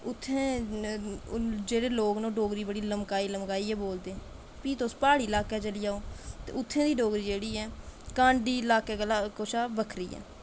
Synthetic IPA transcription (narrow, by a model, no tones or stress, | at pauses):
ʊt̪ʰːẽː | d͡ʒeːɽeːloːɡnõːɖoːɡɾiːbəɽiːləmkaːiːləmkaːiːɛːboːld̪eː | piːt̪oːspaːɽiːɪlaːkɛːt͡ʃəliːaːoːt̪ḛːʊt̪ʰːẽːd̪iːɖoːɡɾiːd͡ʒeːɽiːɛːkãːɳɖiːlaːkeːkəlaːkoːʃaːbəkʰɾḭːɛ̰ː